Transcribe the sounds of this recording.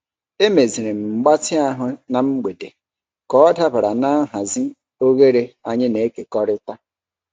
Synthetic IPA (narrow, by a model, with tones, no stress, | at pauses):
e˦me˨zi˨ɾe˨m̩˨ɡ͡ba˦tɪ˦a˦ɦʊ˦na˨m̩˦ɡ͡be˨de˨ | kɔ˦ɔ˦da˦ba˨ɾa˨na˦ɦa˨zɪ˦ | o˦ɣe˦ɾe˦a˨ɲɪ˦ne˨˦ke˨kɔ˦ɾɪ˦ta˦